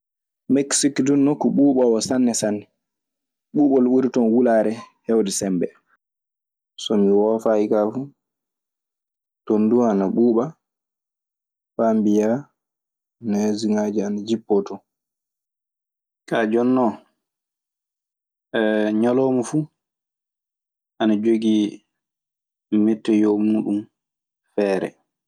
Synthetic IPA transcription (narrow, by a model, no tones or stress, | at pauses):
mɛksikdunːokːɔɓuːɓawɔsanːɛsanːɛ | ɓuːɓɔlwuɾitɔnwulaːɾɛhɛwdɛsɛmbɛ | sɔmiwɔfaikafu | tonduanaɓuːɓa | fambija | nɛziŋad͡ʒianad͡ʒipːɔtɔ | kad͡ʒɔnːɔ | ɛɲɔlɔːmɔfu | ʔanad͡ʒoɡi | mɛtːɛjɔmuːɗum | fɛːɾɛ̰